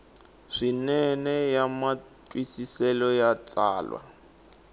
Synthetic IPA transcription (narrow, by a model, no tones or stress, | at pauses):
ʂinɛnɛjama | tʼwisisɛlɔjat͡saːlwa̰